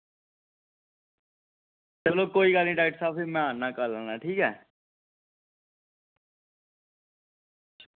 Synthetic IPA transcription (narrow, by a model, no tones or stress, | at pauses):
t̪eːbloːɡ̚koːiːɡəlnĩːɖaːɪʈsaːpʰimɛ̃ːaːnːaːkələːnaːʈʰiːkɛː